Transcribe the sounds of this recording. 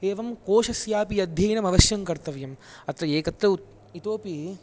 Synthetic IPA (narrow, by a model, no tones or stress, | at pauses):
eːʋɐmkoːʃɐsjaːpijɐd̪ʱjɐjnɐmɐʋɐʃjɐŋkɐɾt̪ɐʋjɐmɐt̪ɾɐeːkɐt̪ɾɐ | it̪oːpi